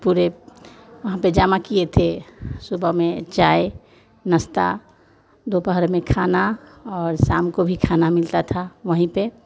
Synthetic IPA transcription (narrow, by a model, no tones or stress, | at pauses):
puːɾe | ʋɐɦãped͡ʒaːmakiet̪ʰesubəmẽt͡ʃaːe | nəst̪a̰ | d̪opəɦəɾmẽkʰaːnaɔːɾsaːmkobʱikʰanamɪlt̪at̪ʰaʋəɦĩpe